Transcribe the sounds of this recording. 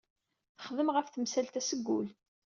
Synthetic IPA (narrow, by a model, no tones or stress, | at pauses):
θə̥χðəmʁəfθəmsælt̪æsəɡːʊl